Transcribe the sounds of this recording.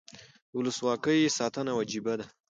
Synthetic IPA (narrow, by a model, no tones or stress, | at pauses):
wʊləswɑkəjsɑt̪ənawad͡ʒibad̪a